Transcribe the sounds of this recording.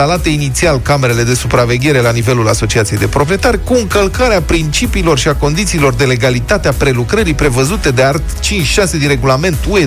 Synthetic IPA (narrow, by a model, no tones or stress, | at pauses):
alat̪e̞init̪sialkame̞ɾe̞le̞d̪e̞supɾave̞ɡʲe̞ɾe̞lanive̞lula̰so̞t͡ʃiat̪sije̞jd̪e̞pɾo̞pɾie̞t̪aɾʲkuɨŋkəlkaɾeapɾint͡ʃipiːlo̞rʃiako̞nd̪it̪siːlo̞rd̪e̞le̞ɡalit̪at̪eapɾe̞lukɾəɾipɾe̞vəzut̪e̞d̪e̞art̪t͡ʃint͡ʃʃase̞d̪inre̞ɡulame̞nt̪ue